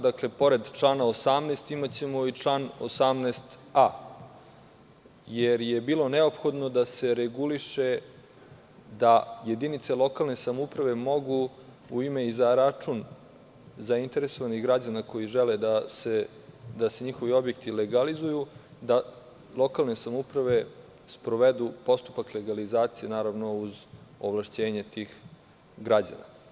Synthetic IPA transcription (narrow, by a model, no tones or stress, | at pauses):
d̪akle̞po̞ɾe̞d̪t͡ʂlˠaːnaosamneːst̪imat͡ɕe̞mo̞it͡ʂlˠaːno̰samneːst̪a | jeɾjebiːlˠo̞neo̞pxo̞d̪nod̪ase̞ɾeɡuliʃe̞ | d̪aje̞d̪init̪selˠo̞kalˠne̞samupɾaʋe̞mo̞ɡu | uime̞izaɾat͡ʂun | zaint̪e̞ɾeso̞ʋaniɣɡɾad͡ʑanako̞jiʒeled̪ase | d̪ase̞ɲixo̞ʋio̞bjek̚t̪ileɡalizujud̪a | lˠo̞kalˠne̞samupɾaʋe̞ | spɾoʋed̪upo̞st̪u̥pakleɡalizaːt̪sije̞naːɾaʋno̞uzoʋlˠaʃt͡ɕe̞ːɲet̪ix | ɡɾad͡ʑa̰na̰